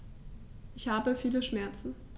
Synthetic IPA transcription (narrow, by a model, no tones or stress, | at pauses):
ʔɪçhaːbəfiːləʃmɛɐt͡sn̩